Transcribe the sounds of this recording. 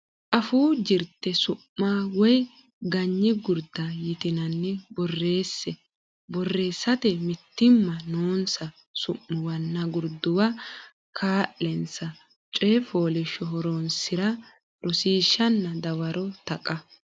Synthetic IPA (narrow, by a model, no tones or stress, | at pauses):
ʔɐfuːd͡ʒɪɾt̪ːɛsʊmːaːwɔj | ɡɐɲːɪɡʊɾd̪ɐjɪt̪ɪnɐnːɛbɔrːe̞ːsːɛ | bɔrːe̞ːsːɐt̪ɛmɪt̪ːɪmːɐnoːnsɐ | sʊʔːʊwɐnːɐɡʊɾd̪ʊwɐ | kʰaːʔɛnsɐ | t͡ʃʼeːfoːlɪʃɔɦɔɾonsɪɾɐ | ɾʔɔsiːʃːɐnːɐd̪ɐwɐɾɔt̪ɐkʼɐ